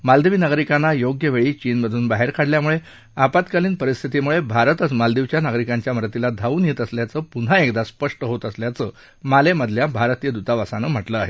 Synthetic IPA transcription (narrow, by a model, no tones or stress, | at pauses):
mald̪eʋiːnaɡɾikanːajoɡjəʋeɭiːt͡ɕiːnbəd̪ʱuːnbaɦeɾkʰaɽljamuɭe | apat̪kaliːnpəɾist̪ʰit̪imuɭebʱaɾət̪ət͡smald̪iʋt͡ɕjanaɡɾikãɲt͡ɕjaməɾət̪ilad̪ʱaʋuːnjet̪əsljat͡səːpun̤aekd̪aspəʂʈəɦot̪əsljat͡sə | maleməd̪ʱljabʱaɾt̪ijəd̪ut̪aʋasanəm̤əʈləaɦe